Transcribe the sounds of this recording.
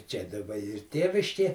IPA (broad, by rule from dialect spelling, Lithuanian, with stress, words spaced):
ˈt͡ʃʲɛ dɐˈbɐ ˈiːr ˈtʲeːʋʲɪʃʲkʲeː